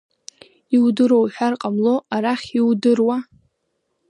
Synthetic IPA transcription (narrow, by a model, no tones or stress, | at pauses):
iwdɨɾowħᶣarqʼamloʔaɾaχʲiwdɨrwa